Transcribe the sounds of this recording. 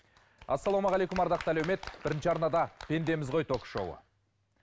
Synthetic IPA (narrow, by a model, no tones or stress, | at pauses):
ɑsːɑlˠomɑʁælekʊmɑɾd̪ɑq̚t̪ælæwme̞t̪b̥ɪɾɪnʃɪɑɾnɑd̪ɑpʲʰe̞nd̪e̞mɪzʁo̞jt̪ʰo̞kʃo̰wə̰